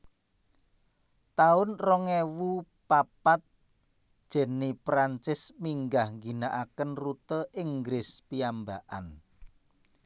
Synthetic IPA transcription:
t̪aʊnrɔŋewu | papat̪̚ | ʒ̥ɛ̤nipɾant͡ʃɪsmiŋɡahŋɡinaʔakənrut̪əʔɪŋɡɾɪspiambaʔa̰n

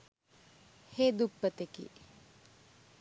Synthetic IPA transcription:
heːd̪upːət̪ekḭ

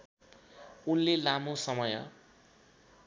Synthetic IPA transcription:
unlelamosʌmʌjʌ̰

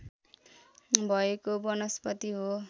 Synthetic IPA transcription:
bʱʌekobʌnʌspʌt̪iɦo

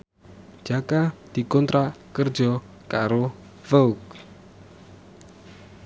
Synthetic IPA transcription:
d͡ʒ̥akad̪̥i̤kɔnt̪ɾakərd̥d͡ʒɔ | kaɾo | fɛuk̚

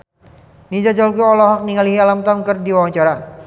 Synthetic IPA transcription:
nid͡ʒad͡ʒalkiɔlɔɦɔk̚niŋaliɦialamt̪amkərdiwawaɲt͡ʃaɾa

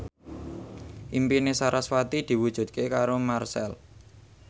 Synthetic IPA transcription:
ʔimpinesaɾʔaswat̪id̪̥i̤wud̥ʒ̥ṳt̪̚kekaɾomarsɛ̰l

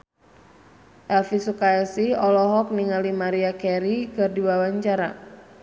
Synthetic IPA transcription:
ʔɛlfisukaɛsiɔlɔɦɔk̚niŋalimaɾiakɛɾikɨrdibawaɲt͡ʃaɾa̰

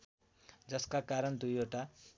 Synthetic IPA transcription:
d͡zʌskakaɾʌnd̪ujeʈa

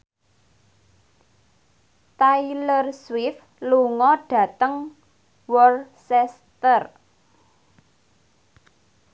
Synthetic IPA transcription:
t̪ailərswɪf | luŋɔɖ̥ä̤t̪əŋ | wɔlsɛs | t̪ər

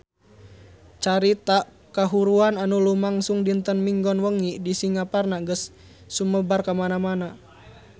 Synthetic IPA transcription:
t͡ʃaɾit̪a | kaɦuɾuananulumaŋsuŋdint̪ənmiŋɡɔnwəŋidisiŋaparnaɡəsː | uməbarkamanamana

